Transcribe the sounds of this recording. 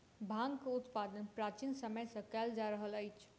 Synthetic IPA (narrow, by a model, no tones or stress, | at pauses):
bʱãŋɡkeut̪pad̪ənpɾat͡ʃinsəməjsə̃kɛld͡ʒaɾəɦələjt͡ʃʰ